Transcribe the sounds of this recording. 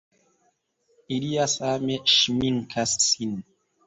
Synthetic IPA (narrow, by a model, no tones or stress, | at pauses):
iliasameʃmiŋkʰasːin